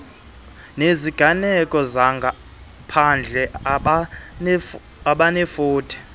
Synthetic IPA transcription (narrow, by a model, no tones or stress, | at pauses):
neziɡ̥ʱanɛkʼɔzaŋɡʱa | pʰand͡ɮʱɛ | aɓanefuːtʰɛ̥